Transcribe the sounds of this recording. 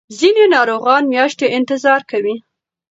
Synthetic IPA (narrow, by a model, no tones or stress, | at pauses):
zinenɑɾoɣɑnmjɑʃt̪eʔɪnt̪ɪzɑɾkawi